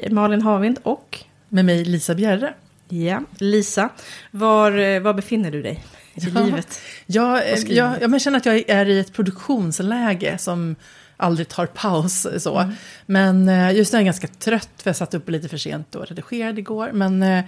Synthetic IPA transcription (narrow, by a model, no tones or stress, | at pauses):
mɑːlɪnɦɑːvɪnd̪ɔk | mɛmɛjliːsabjærːə | jaliːsavaɾvabɛfɪnːəɖɵd̪ɛ̰j | ɪliːvət̪jɑːjɑːjɑːmɛʃɛnːəɾat̪jɑːɡæɾɪɛt̪pʰɾʊd̪ɵkɧuːnslɛːɡə̰sɔm | ʔald̪ɾɪɡ̚t̪ʰɑːɾpʰaʊssɔ̰mɛnjɑjɵst̪nææɾɡanskat̪ʰɾœt̪ːfœɾjasat̪ːɵpːɔliːt̪əfœʂḛːnt̪ɔ̰ɾɛd̪ɪɧeːɾad̪ɪɡoːɾmɛn